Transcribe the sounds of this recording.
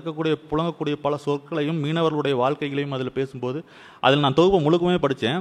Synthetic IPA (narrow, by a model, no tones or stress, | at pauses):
kːɐkːuːɽɪjɐpʊɭɐŋɡɐkːuːɽɪjɐpɐlɐsɔɾkːɐɭɐjɯmːiːnɐʋɐɾɐɭɯɽɐjɐʋaːɭkɐɪɣɐɭɐjɯmɐðɪlpeːsɯmpoːðɯ | ʔɐ̰ðɪlnaːt̪ɔɣɯpːɐmʊɻɯk̬ːɐmeːpɐɽɯt͡ʃːẽː